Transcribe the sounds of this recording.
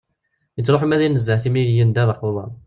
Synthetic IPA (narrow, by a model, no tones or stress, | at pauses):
jət͡sːɾˤoħimæðinəzːəʕθimniljənd̪æðɑqulˤɑn